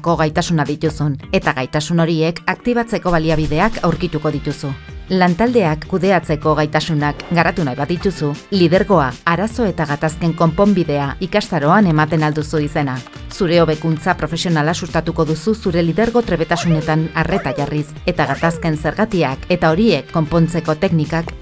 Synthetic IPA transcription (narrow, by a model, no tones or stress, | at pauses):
ko̞ɣ̞ajt̪asunaðit̪usune̞t̪aɣajt̪asuno̞ɾie̞kakt̪iβ̞at͡se̞ko̞βaliaβ̞iðe̞akʰawɾkit̪uko̞ðit̪usu | lant̪ald̪e̞akːuðe̞at͡se̞ko̞ɣajt̪asunakɡaɾat̪unajβaðit̪usulið̞e̞ɾɣo̞aːɾaso̞e̞t̪aɣ̞at̪aske̞ŋko̞mpo̞mbiðe̞aikast̪aɾo̞ane̞mat̪e̞nald̪usuise̞na | suɾe̞o̞βe̞kunt͡sapɾo̞fe̞sio̞nalasust̪at̪uko̞ðususuɾe̞liðe̞ɾɣo̞t̪ɾe̞βe̞t̪asune̞t̪anare̞t̪aʝarise̞t̪aɣ̞at̪aske̞nse̞ɾɣat̪iake̞t̪ao̞ɾie̞kːo̞mpo̞nt͡se̞ko̞t̪e̞knikak